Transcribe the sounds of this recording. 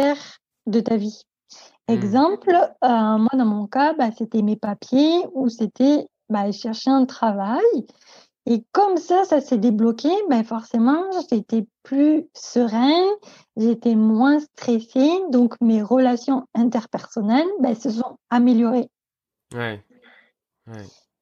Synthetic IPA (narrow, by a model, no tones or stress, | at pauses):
ɛʁ | d̪ət̪avi | ɛɡzɑ̃plømwad̪ɑ̃mɔ̃kabaset̪ɛmepapjeuset̪ɛ | baʃɛʁʃeɛ̃t̪χavaj | ekɔmsasasɛd̪eblɔkʲebɛfɔʁsemɑ̃ʒːt̪ɛplysəʁɛ̃ | ʒeet̪ɛmwɛ̃st̪χɛsed̪ɔ̃kmeʁəlasjɔ̃ɛ̃t̪ɛʁpɛʁsɔnɛlbasəsɔ̃ameljɔʁe